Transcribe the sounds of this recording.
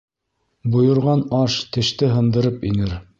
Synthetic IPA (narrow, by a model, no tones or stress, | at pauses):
bŏjɤ̆ɾʁɑnɑʃt̪ɘ̆ʃt̪ɘɦɤ̆nd̪ɤ̆ɾɤpinɘɾ